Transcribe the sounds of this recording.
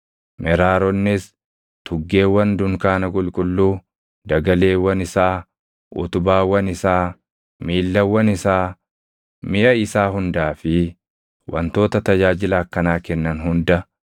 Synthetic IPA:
mɛɾaːɾɔnːɪs | t̪ʊɡːe̞ːwɐnd̪ʊŋkaːnɐkʼʊlkʼʊlːuː | d̪ɐɡɐle̞ːwɐnɪsaː | ʔʊ̰t̪ʊbaːwɐnɪsaː | miːlːɐwɐnɪsaː | mɪʔɐɪsaːɦʊnd̪aːfɪ | wʔɐ̰nt̪o̞ːt̪ɐt̪ɐd͡ʒaːd͡ʒɪlɐːkːɐnaːkɛnːɐnɦʊnd̪ɐ

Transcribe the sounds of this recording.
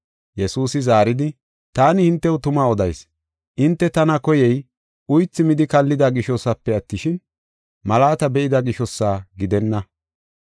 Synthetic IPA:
jɛsuːsɪzaːɾɪd̪ɪ | t̪aːnɪhɪnt̪ːɛwʊt̪ʊmaːɔd̪ɐjs | ʔɪnt̪ːɛt̪ɐnɐkɔjɛj | ʊjt͡sːɪmɪd̪ɪkɐlːɪd̪aɡɪʃɔsːɐpːɛɐt̪ːɪʃɪn | mɐlaːt̪ɐbɛʔɪd̪ɐɡɪʃɔsːaːɡɪd̪ɛnːɐ

